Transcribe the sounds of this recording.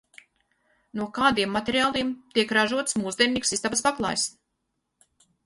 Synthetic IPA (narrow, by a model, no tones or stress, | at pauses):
nuɔkaːd̪iɛmːat̪ʲeɾiaːlˠiɛmt̪iɛkɾaʒuɔt̪smuːzd̪ʲɛɾnʲiːksist̪abaspaklˠa̰ːjs